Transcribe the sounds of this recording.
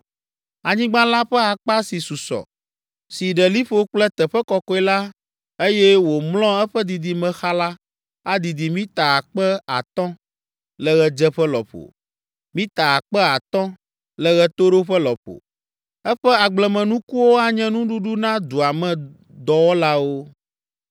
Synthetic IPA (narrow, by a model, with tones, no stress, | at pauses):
a˨ɲĩ˦ɡ͡bã˦la˦ɸɛ˦a˨k͡pa˦si˨su˨sɔ̰˨ | si˨ɖɛ˨li˦ɸo˦k͡plɛ˦t̪ɛ˨ɸɛ˦kɔ˨kɔ˦ɛ˨˦la˦ | e˦jɛ˦wo˨mlɔ̃˦ɛ˦ɸɛ˦d̪i˨d̪i˨mɛ̃˨xa˦la˦ | a˦d̪i˨d̪i˨mĩ˦t̪a˨a˨k͡pɛ˦a̰˨t̪ɔ̃˦ | lɛ˨ɣɛ˨d͡ʒɛ˦ɸɛ˦lɔ̰˨ɸo̰˨ | mĩ˦t̪a˨a˨k͡pɛ˦a˨t̪ɔ̃˦ | lɛ˨ɣɛ˨t̪o˦ɖo˦ɸɛ˦lɔ˨ɸo̰˨ | ɛ˦ɸɛ˦a˨ɡ͡blɛ˨mɛ̃˨nũ˦ku˦wo˦a˨ɲɛ̃˦nũ˦ɖu˦ɖu˦nã˦d̪u˨a˨mɛ̃˨ | d̪ɔ˨wɔ˦la˦wo˦